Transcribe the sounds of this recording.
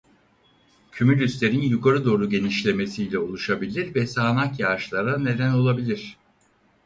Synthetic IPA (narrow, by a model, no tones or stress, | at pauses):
cʰymylʲyst̪lʲe̞ɾinjukʰaɾɯd̪o̞ːɾuɟe̞niʃlʲe̞me̞sijlʲɛolˠuʃabilʲiɾvɛsaːnakjaʃlˠaɾane̞d̪æno̞lˠabilʲiɾ̥